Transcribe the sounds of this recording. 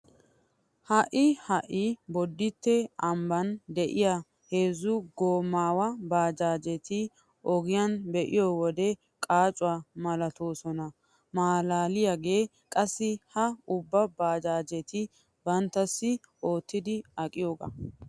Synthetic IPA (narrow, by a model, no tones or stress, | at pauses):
hɐʔɪhɐʔɪbɔd̪ːɪt̪ːɛɐmbɐnd̪ɛʔɪja | heːzʊɡoːmːaːwɐbaːd͡ʒaːd͡ʒɛt̪ɪ | ʔɔɡɪjɐnbɛʔɪjoːwɔd̪ɛ | kʼaːt͡ʃʼʊaːmɐlɐt̪o̞ːsɔnɐ | maːlaːlɪjaɡe̞ː | kʼɐsːɪhɐʊbːɐbaːd͡ʒaːd͡ʒɛt̪ɪ | bɐnt̪ːɐsːɪ | ʔo̞ːt̪ːɪd̪ɪɐkʼɪjo̞ːɡɐ̰